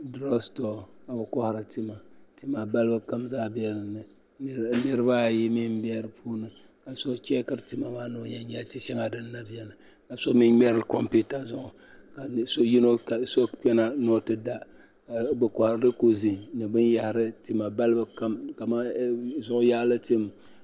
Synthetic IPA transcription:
dɾɔ˦sto˨ka˨bɨ˨kɔ˦hɾɨ˨ti˦ma˨ti˦ma˨ba˦lbɨ˦ka˦mzaː˦bɛ˦lɨ˨nɨ˨˦ | nɨ˦ɾɨ˦ba˦˨ji˦mi˦m̩˦bɛ˦ɾɨ˨pʰuː˦nɨ˨ | ka˨so˦t͡ʃɛ˦kɨ˦ɾti˨ma˨maː˦no˦ɲɛ˦ɲɛ˨ti˦ʃɛ˦ŋa˨dɨ˦nː˦a˦bjɛ˨nɨ˨ | ka˨so˦mi˦nmɛ˦ɾɨ˨lko˦mpi˦ta˦zʊ˦ŋʊ˨ | ka˨so˦ji˦no˦ka˨so˦k͡pɛ˦na˦nɔ˦tɨ˦da˦˨ | bɨ˨kɔ˨hɾdɨ˦ko˨zi˨nɨ˨bɨ˦nja˦hɪ˨ɾɨ˦ti˦ma˨ba˦lɨ˦bɨ˦ka˦mka˨ma˦zʊ˦ʔʊ˦ja˦lɨ˦ti˦m˨

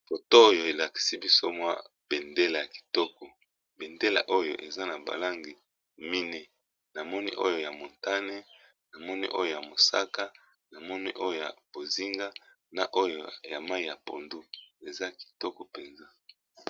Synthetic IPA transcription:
fo˨to˦o˦jo˨e˨la˨ki̥˨si˦bi˦so˦mwa̰˦b̥e˨nde˦la˨ja˨ki̥˨tɔ˦kɔ˨ | be˨nde˦la̰˨ʔo˦jo̰˨ʔe˨za˦na˨ba̰˨la˦ŋɡi˨ | mi˦nɛ˦ | na˨mɔ˦ni˦ʔo̰˦jo˨ja˨mo˨nta˦ne˦ | na˨mɔ˦nḭ˦ʔo̰˦jo˨ja˨mo˨sa˦ka˦ | na˨mɔ˦nḭ˦ʔo˦jo˨ja̰˨b̥o˨zi˦ŋɡa˦ | na˨ʔo˦jo˨ja˨ma˦i˦ja˨po̰˨ndu˦e˨za˦ki̥˨tɔ˦kɔ˨pe˨nza˦

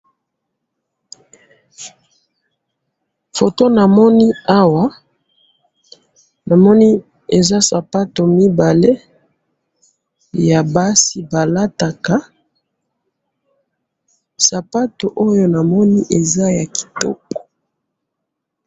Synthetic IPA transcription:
fo˨to˦na˨mɔ˦ni˦a˦wa˦ | na˨mɔ˦ni˦ | e˨za˦sa˨pa˦to˨mi˦ba˨le˦ | ja˨ba˦si˨ba˨la˦ta˨ka˦ | sa˨pa˦to˨ʔo˦jo˦na˨mɔ˦ni˦ʔe˨za˦ja˨ki̥˨tɔ̰˦kɔ̥˨

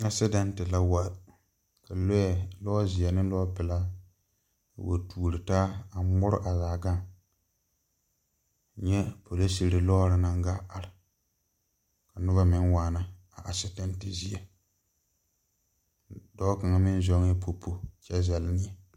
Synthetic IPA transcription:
a˨sɪ˦dɛ˦ntɪ˨la˦wa˨ | ka˨lo˦ɛ˨lɔ˦zɪ˨ɛ˨nɪ˦lɔ˦pɪ˨la˦˨ | wo̰˨tʰuː˦˨lɪ˨taː˦a˨m˦mʊ˦ɾʊ̰˦ʔa˨zaː˨ɡa˦ŋ˨ | ɲɛ˦po˨le˦si˨ɾɪ˨lɔː˦ɾɪ˨na˦ŋ˦ɡa˦a˨ɾɪ˨ | ka˨nʊ˦ba˦mɪ˦ŋwaː˨na˦ | a˨ʔa˨sɪ˨dɛ˦ntɪ˨zi˦ɛ˨ | dɔ˦ka˨ŋa˦mɪ˦n˦zɔ˦ŋ˦ɛ˦po˨pʰːo˦t͡ʃɛ˦zɛ˨lɪ˦nɪ˦ɛ˨

